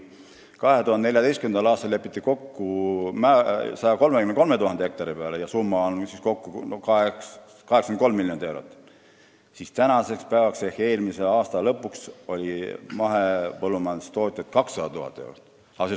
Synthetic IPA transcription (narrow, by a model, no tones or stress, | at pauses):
kɑɦet̪uhɑnd̪neljɑt̪ejst̪kymend̪ɑlɑːst̪ɑlepːˑit̪ːiko̞kːumæsɑjɑko̞lmekymnko̞me̞t̪uhɑnd̪ee̞k̚t̪ɑɾipe̞ɑlejɑsumːɑonsisko̞kːukɑeks | kɑhekskmnkomːiljo̞nd̪e̞wɾot̪ːˑ | sist̪ænɑse̞kspæevɑksehe̞ːlmise̞ɑːst̪ɑlɤpːˑukso̞lʲimɑɦepɤlːumɑnst̪o̞ːt̪ʲjɑt̪kɑksɑd̪ɑt̪uhɑ̰t̪ˑːew̰ɾot̪ːˑ | ɑse